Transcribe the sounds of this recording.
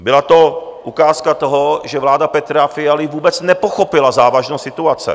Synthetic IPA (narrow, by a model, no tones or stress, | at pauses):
bɪlat̪oʔukaːskat̪oɦɔʒɛvlaːd̪apɛt̪ɾafɪalɪvuːbɛt͡snɛpoxopɪlazaːvaʒnosɪt̪uat͡sɛ̰